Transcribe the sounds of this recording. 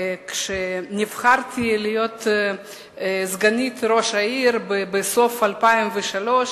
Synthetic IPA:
kʃenivχaɾt̪ilijot̪ | zɡanit̪ɾo̞ʃaiɾbebeso̞falpaimveʃalo̞ʃ

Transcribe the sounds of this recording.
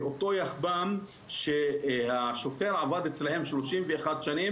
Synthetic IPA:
ʔot̪o̞jaχbam | ʃehaʃokeʁʕavad̪et͡slahemʃloʃimveːχad̪ʃanim

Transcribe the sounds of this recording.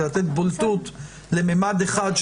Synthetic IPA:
lat̪et̪bolt̪ut̪ | lememad̪eχad̪ʃ

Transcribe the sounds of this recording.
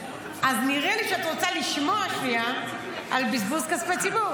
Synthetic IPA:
ʔazniʁeliʃeat̪ʁot͡saliʃmoaʃmia | albizbuskaspet͡sibuʁ

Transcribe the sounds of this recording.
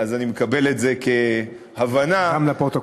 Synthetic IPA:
azanimekabe̞le̞tze̞ke̞ | havanamlapʁot̪o

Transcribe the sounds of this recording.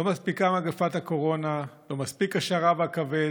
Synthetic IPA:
omaspikamaɡafat̪hako̞ʁo̞nalo̞maspikaʃaʁaveakave

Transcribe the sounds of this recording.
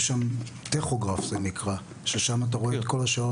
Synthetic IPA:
ʃamt̪eχoɡʁafzenikʁa | ʃeʃamat̬aʁo̞eet̪ko̞laʃao

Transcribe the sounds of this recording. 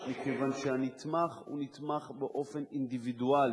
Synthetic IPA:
mikevanʃeanit̪maχṵnit̪maχbeʔo̞fe̞nind̪ivid̪uali

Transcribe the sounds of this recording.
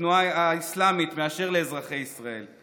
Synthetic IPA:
nuaaislamit̪meaʃe̞ʁleːzʁaχe̞jisʁae̞̰l

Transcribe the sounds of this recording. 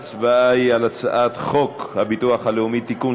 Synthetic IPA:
t͡svaaialat͡sa̰ʔat̪χokhabituaχhaleumit̪ːiku

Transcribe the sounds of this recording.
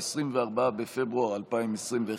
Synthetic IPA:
esʁimveaʁbaabefebʁuaʁalpaimesʁimve

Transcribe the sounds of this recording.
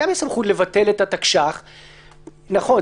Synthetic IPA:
amjesamχutle̞vat̪e̞letatakʃaχ | naχo̞

